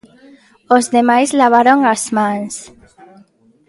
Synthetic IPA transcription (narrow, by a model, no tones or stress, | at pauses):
ozðemajzlaβ̞aɾoŋazmans